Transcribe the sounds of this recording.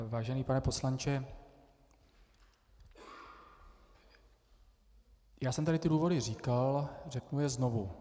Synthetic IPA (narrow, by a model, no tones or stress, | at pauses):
vaːʒɛniːpanɛpo̞slant͡ʃɛ | jaːsɛmt̪aɾɪt̪ɪduːvo̞dɪr̝iːkalrɛknujɛzno̞vu